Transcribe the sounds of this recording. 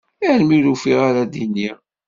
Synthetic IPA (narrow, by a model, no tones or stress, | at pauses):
æʕlmiɾufiʁaɾad̪ini